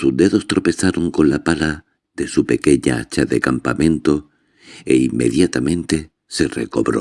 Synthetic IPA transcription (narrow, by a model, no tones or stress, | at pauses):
suzd̪e̞ðo̞st̪ɾo̞pe̞saɾo̞ŋko̞nlapala | ðe̞supe̞ke̞ɲa̰at͡ʃaðe̞kampamẽ̞nt̪o̞ | ḛimːe̞̰ðjat̪amẽ̞nt̪e̞ | se̞re̞̰ko̞βɾo̞̰